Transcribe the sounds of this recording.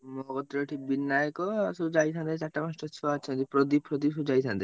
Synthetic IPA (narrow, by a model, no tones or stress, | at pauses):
mɔɡɔt̪ɾoʈʰibinːajekɔsud͡ʑait̪ʰãnd̪et͡ʃaʈːamasʈɔt͡ʃʰat͡ʃʰnd̪ipɾod̪ipɾod̪isud͡ʑait̪ʰãnd̪e